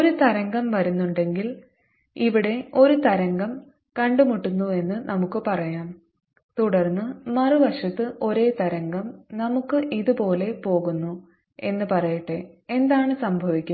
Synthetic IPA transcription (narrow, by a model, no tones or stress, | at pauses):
oɾut̪ɐɾɐŋɡɐmʋɐɾunːuɳɖe̞ŋɡil | iʋiɽe̞o̞ɾut̪ɐɾɐŋɡɐm | kɐɳɖumuʈːunːue̞nːɨnʔɐmukːɨpɐrɐjaːm | t̪uɽɐrnːɨmɐrɨʋɐʂɐt̪ːɨʔo̞ɾe̞ːt̪ɐɾɐŋɡɐmnɐmukːɨʔiðupo̞ːle̞po̞ːɣunːu | e̞nːɨpɐrɐjiʈːee̞nd̪aːɳɨsɐmbʱɐʋikʲːu